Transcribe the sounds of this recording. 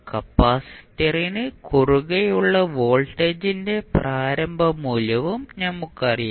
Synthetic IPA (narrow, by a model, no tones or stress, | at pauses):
kɐpːaːsi̥t̪ːɐrinɨkʰuruɣɐjuɭːɐʋo̞ːɭʈːeːd͡ʑinde̞praːɾɐmbʱɐmuːlɐʋumnɐmːukːɐrija